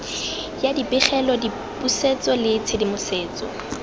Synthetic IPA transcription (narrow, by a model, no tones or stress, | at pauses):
jadipʼɪχɛlɔdi | pʼuset͡sʼɔlɪt͡sʰɪdimʊseːt͡sʼɔ̰